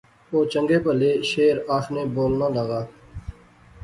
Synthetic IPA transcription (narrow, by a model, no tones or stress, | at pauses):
oːt͡ʃəŋɡeːpəleːʃeːɾaːxʰneːboːlnãːləɣaː